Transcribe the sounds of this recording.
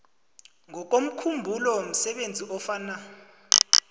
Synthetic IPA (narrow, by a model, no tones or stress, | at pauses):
ŋɔk̬om̩kʰumbʱulɔm̩sɛɓend͡zʱiʔɔfaːna